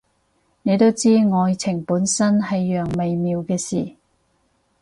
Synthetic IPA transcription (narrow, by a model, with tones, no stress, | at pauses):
ne˨˧jt̪o˥wt͡siː˥ŋɔː˨˧jt͡sʰɪ˨˩ŋpuː˨˥nsɐ˥nhɐ˨jːœː˨˩ŋme˨jmiː˨˧wkɛː˧siː˨˩